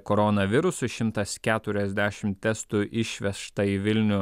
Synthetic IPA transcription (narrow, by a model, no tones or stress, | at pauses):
koːɾonɐʋʲɪɾʊsʊʃʲɪmt̪ɐskʲæːt̪ʊɾʲɛzʲd̪ʲæːʃʲɪmt̪ʲɛst̪uʔɪʃʲʋʲɛʃt̪ɐiʋʲɪlʲnʲʊ